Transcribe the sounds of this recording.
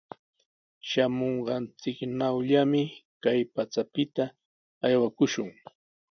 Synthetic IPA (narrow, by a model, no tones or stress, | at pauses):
ʃamoɴɢɑnt͡sɪknawʎamɪkajpat͡sapɪt̪a | ajwakʊʃʊŋ